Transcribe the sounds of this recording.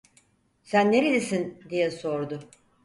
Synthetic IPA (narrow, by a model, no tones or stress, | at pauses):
sænːeɾilʲesind̪ijɛso̞ɾd̪ʊ